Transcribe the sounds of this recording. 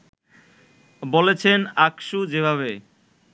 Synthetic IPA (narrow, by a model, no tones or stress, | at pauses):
bolet͡ɕʰenakʃud͡ʑebʱaβe